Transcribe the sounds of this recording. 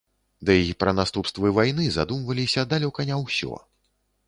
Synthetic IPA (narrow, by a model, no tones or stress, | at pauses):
d̪ɐjajipɾɐnast̪upst̪vɨvajnɨzad̪umvɐlʲisʲɐd̪alʲɔkɐnʲɛwsʲɔ̰